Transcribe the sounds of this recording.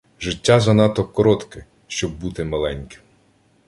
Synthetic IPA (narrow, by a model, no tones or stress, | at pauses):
ʒɪtʲːazɐnɑt̪ɔkɔɾɔt̪kɪ | ʃt͡ʃɔbːut̪ɪmɐlˠɛnʲkɪ̥m